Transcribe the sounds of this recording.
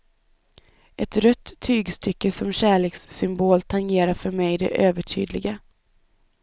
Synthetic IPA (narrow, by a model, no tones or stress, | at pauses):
ʔɛt̪ɾœt̪ʰːyːɡst̪ʰʏkːəsɔmɕæːɭeːksːʏmboːlt̪ʰaŋjeːɾafœɾmɛjd̪ɛ̰ʔøːvəʈʰy̰ːd̪lɪ̰ɡa